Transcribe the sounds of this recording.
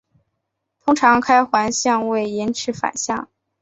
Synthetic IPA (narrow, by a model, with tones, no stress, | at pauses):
t̪ʰʊ˥ŋʈ͡ʂʰɑ˧˥ŋkʰa˥ɪxwa˧˥nɕjɑ˥˧ŋwe˥˩ɪɛ˧˥nʈ͡ʂʰɻ̩˧˥fa̰˨˩nɕjɑ˥˩ŋ